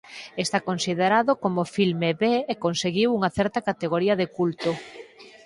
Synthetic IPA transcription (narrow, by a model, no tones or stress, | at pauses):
est̪akonsiðeɾaðʊkomofilmeβeːkonseɣiwuŋɐθɛɾt̪ɐkat̪eɣ̞oɾiɐðekult̪o